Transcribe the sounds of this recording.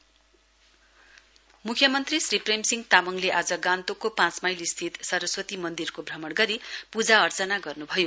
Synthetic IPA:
mukʰjʌmʌnt̪risripremsiŋɡt̪amʌŋleʔad͡zʌɡãnt̪okopãt͡smajlist̪ʰit̪sʌrʌswʌt̪imʌnd̪irkobʱrʌmʌɽɡʌɾipud͡zaʌrt͡sʌnaɡʌrnubʱʌjo

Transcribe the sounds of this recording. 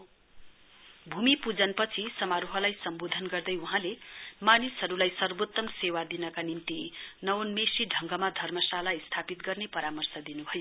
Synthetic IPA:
bʱumipud͡zʌnpʌt͡sʰisʌmaɾuɦʌlajsʌmbod̪ʱʌnɡʌrd̪ʌjuɦãlemanisɦʌɾulajsʌrbot̪ːʌmsewad̪inʌkanimt̪inʌwnmesiɖʱʌŋɡʌmad̪ʱʌrmʌsalaist̪ʰapit̪̚ɡʌrnepʌɾamʌrsʌd̪inubʱʌjo

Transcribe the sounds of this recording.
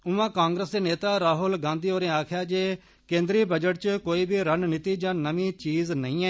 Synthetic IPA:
ʊʋãːkãːŋɡɾəsd̪eːneːt̪aːɾaːɦʊlɡãːnd̪iːoːɾẽːaːkʰjaːd͡ʒeː | kẽːnd̪ɾiːbəd͡ʒəʈt͡ʃkoːiːbʱiːɾənnɪt̪iːd͡ʒãːnəmĩːt͡ʃiːznəĩːɛː

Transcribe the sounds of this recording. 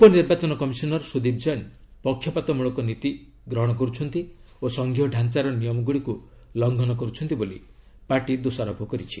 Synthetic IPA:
upɔniɾbat͡ʃɔnɔkɔmisɔnɔɾsud̪ip̚d͡ʒɔjn | pɔkʰːjɔpat̪ɔmuɭɔkɔnit̪i | ɡɾɔɦɔɽ̃ɔk̬ɔɾut͡ʃʰɔnt̪i | osɔŋɡʱiɦɔɖʱant͡ʃaɾɔnijɔmɔɡuɽiku | lɔŋɡʱɔnɔkɔɾut͡ʃʰɔnt̪iboli | paɾʈid̪usaɾɔbʱɔkɔɾit͡ʃʰi̥

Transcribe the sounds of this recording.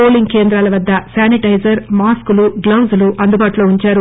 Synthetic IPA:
oːliŋɡke̞ːnd̪ɾaːlɐʋɐd̪ːɐsaːniʈɐjd͡ʒɐɾmaːskuluɡlɐwzɐluʔɐnd̪ubaːʈulo̞ːuɲt͡ʃaːɾu

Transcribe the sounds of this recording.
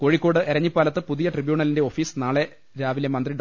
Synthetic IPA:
ko̞ːɻikʲːo̞ːɽɨʔɐɾɐɲːipːaːlɐt̪̬ːɨpuðijɐʈribjuːɳɐlindeo̞ːfiːsnaːɭe̞ | ɾaːʋilemɐnd̪riɖ

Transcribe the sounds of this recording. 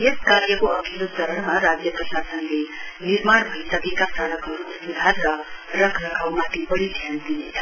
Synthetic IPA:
jeskaɾjəkoɐkʰelot̪əɾəɳmãɾad͡ʒjəpɾəʃasənleniɾmaɳbʱəit̪ɐɡikasaləkɔɾusʋud̪ʱaɾlaɾəkʰɾəkʰaʋmat̪ibəɽid̪ʱjand̪iet̪

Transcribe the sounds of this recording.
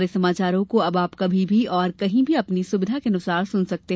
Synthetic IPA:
ɾesɐmaːt͡ʃaːɾõkoɐbaːpkɐbʱibʱiɔːɾkɐɦĩbʱiɐpnisʊbɪd̪ʱakenʊsaːɾsʊnsɐk̚t̪e

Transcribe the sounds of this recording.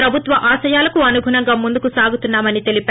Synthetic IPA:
ɾɐbʱut̪ʋɐʔaːsɐjaːlɐkuɐnuɡʱuɳɐŋɡaːmund̪ukusaːɡut̪unːaːmɐnit̪e̞lipː

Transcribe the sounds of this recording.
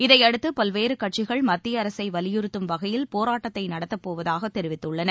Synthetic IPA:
ɪðɐɪɐɽɯt̪ːɯpɐlʋeːɾɯkɐʈ̚t͡ʃɪɣɐɭmɐt̪ːɪjɐːɾɐsɐɪʋɐlɪjʊɾɯt̪ːɯmʋɐɣɐjɪlpoːɾaːʈːɐt̪ːɐɪnɐɽɐt̪ːɐpːoːʋɐðaːɣɐt̪ːɛɾɪʋɪt̪ːɯɭːɐnɐ

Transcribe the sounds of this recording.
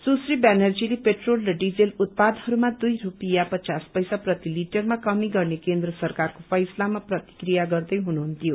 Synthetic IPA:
susribanʌrd͡zilepeʈrolrʌɖid͡zelut̪̚pad̪ɦʌɾumad̪ujrupijapʌt͡saspʌjsaprʌt̪iliʈʌrmakʌmiɡʌrnekend̪rʌsʌrkarkopʰʌjslamaprʌt̪i̥krijaɡʌrd̪ʌjɦunuɦunt̪ijo

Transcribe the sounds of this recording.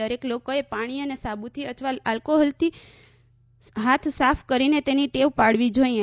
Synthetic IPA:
əɾeklokoepaɽ̃iənesabut̪ʰiət̪ʰəʋaalkoɦɔlt̪ʰi | ɦat̪ʰsafʰkəɾinet̪eniʈeʋpaɽʋid͡ʒoiẽ

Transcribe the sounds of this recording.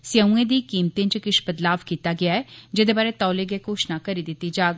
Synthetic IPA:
sɪjəũẽːd̪iːkiːmt̪ẽːt͡ʃkɪʃbəd̪laːʋkiːt̪aːɡɪaːɛːd͡ʒɪd̪eːbaːɾeːt̪ɔːleɡeːkoːʃnaːkəɾiːd̪ɪt̪ːiːd͡ʒaːɡ

